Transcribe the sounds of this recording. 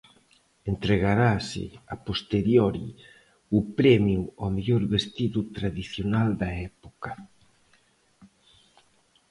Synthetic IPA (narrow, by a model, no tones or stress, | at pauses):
ent̪ɾeɣaɾasɪ̰apost̪eɾjoɾḭ | upɾɛmjuameʎɔɾβest̪iðut̪ɾaðiθjonald̪aɛpoka